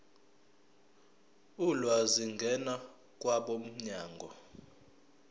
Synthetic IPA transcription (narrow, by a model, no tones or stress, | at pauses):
ulwaziŋɡʱɛna | k̬ʼwaɓom̩ɲaːŋɡʱɔ